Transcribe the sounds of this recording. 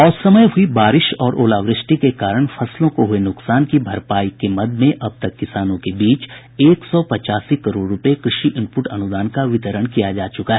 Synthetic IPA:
ɔːɾsɐməjɦʊibaːɾɪʃɔːɾʔoːlaːʋɾɪʃʈikekaːɾəɽ̃fʰɐslõkoɦʊenʊksaːnkibʱɐɾpaːikemɐd̪mẽʔɐb̚t̪ɐkːɪsaːnõkebiːt͡ʃ | eːksɔːpɐt͡ʃaːsikɐɾoːɖːʊpekɾɪʃiʔɪ̃mpʊʈɐnʊd̪aːnkaʋɪt̪əɾəɽ̃kijad͡ʒaːt͡ʃʊkaɦɛː

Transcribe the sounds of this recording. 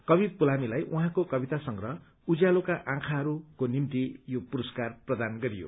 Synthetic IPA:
kʌbipulamilajʔuɦãkokʌbit̪asʌŋɾʌ | ud͡zjalokaʔãkʰaɦʌɾukonimt̪ijopuɾʌskarprʌd̪anɡʌɾijo̰

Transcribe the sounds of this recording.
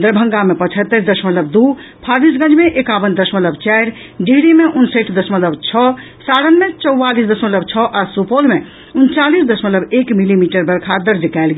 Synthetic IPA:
d̪əɾbʱəŋɡamepət͡ʃʰət̪ːəɾd̪əsmət̪ləb̚d̪u | pʰabisɡə̃d͡ʒmeʔekabənd̪əsmət̪ləbt͡ʃɛjɾ | ɖiɦɽimeʔunsəʈʰd̪əsmət̪ləbt͡ʃʰɔ | saɽənmet͡ʃəwːalisd̪əsmət̪ləbt͡ʃʰɔʔasupolme | unt͡ʃalisd̪əsmət̪ləbekmilimiʈəɾbəɾkʰad̪əɾd͡ʒəkaelɡe

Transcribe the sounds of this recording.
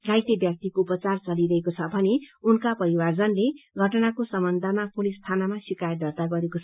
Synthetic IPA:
ɡajt̪ʌbjak̚t̪ikoupʌt͡sart͡sʌliɾʌɦekot͡sʰʌbʱʌneunkapʌɾiward͡zʌnleɡʱʌʈʌnakosʌmʌnd̪ʱamapolist̪ʰanamasikajd̪ʌrt̪aɡʌɾekot͡sʰʌ

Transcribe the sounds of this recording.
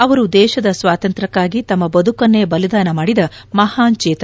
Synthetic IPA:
ɐʋɐɾud̪ɛːʃɐd̪ɐsʋaːt̪ɐnt̪ɾɐkːaːɡit̪ɐmːɐbɐd̪ʱukɐnːebɐlid̪aːnɐmaːɽid̪ɐmɐhaːnt͡ʃeːt̪

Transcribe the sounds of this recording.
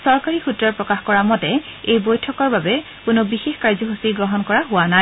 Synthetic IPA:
sɔɹkaɹixutɹɔɹpɹɔkaxkɔɹamɔtɛejbojtʰɔkɔɹbabɛ | kʊnʊbixexkaɹzɔɦusiɡɹɔɦɔnkɔɹaɦʊwana

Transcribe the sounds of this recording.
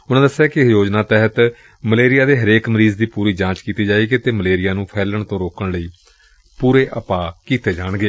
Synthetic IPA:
ʊnãːd̪əsːaːkɪjoːd͡ʒnaːt̪ɛːɦət̪ | məleːɾɪjaːd̪eːɦəɾeːkməɾiːzd̪iːpuːɾiːd͡ʒãːt͡ʃkiːt̪iːd͡ʒaːiːɡeːt̪eːməleːɾɪjaːnũːpʰɛːləɳt̪õːɾoːkəɳləiː | puːɾeːʔəpaːkiːt̪eːd͡ʒaːɳɡeː

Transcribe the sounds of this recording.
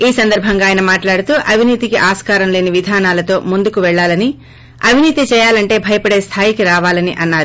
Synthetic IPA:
iːsɐnd̪ɐɾbʱɐŋɡaːjɐnɐmaːʈlaːɽut̪uːʔɐbʱiniːt̪ikiʔaːskaːɾɐmle̞ːniʋid̪ʱaːnaːlɐt̪o̞ːmund̪ukuʋɛɭːaːlɐni | ɐbʱiniːt̪it͡ʃɛːjaːlɐɳʈe̞ːbʱɐjɐpɐɽe̞ːst̪ʰaːjikiɾaːʋaːlɐniʔɐnːaːɾu

